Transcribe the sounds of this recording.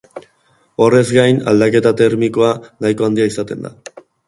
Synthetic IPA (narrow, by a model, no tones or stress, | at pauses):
o̞re̞zɡajna̰ld̪ake̞t̪at̪eɾmiko̞anajko̞and̪iaisat̪e̞nd̪a̰